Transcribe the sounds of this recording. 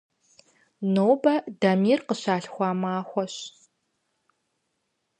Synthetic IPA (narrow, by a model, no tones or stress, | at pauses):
noːbɐdɐmiːrqəɕaːɬxʷɑːmaːxʷɔɕ